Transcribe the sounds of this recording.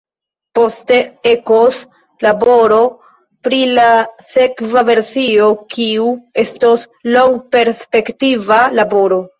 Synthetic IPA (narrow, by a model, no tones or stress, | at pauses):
po̞ste̞e̞kos | labo̞ɾo̞ | pɾilase̞kvave̞ɾsio̞kiue̞stos | lo̞ŋɡpe̞ɾspe̞ktivalabo̞ɾo̞